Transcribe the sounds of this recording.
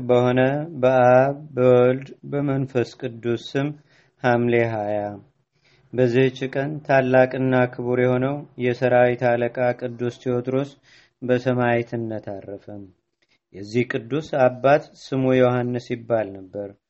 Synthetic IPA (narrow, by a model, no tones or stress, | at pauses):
bəho̞nəbəʔaβːəwɔld̪bəmənfəskʼɨd̪ːusɨm | hamle̞ɦaja | bəzːihot͡ʃːɪkʼənt̪ʰalːakʼɨnːakʰɨβuɾjɛho̞nəwjɛsəɾawit̪ʰaləkʼakʼɨd̪ːust̪ʰiot̪ɾos | bəsəmajit̪ʰɨnːət̪ʰarːəfəm | jɛzːihkʼɨd̪ːusabːat̪sɨmujohanːɨsjɪbːalnəbːəɾ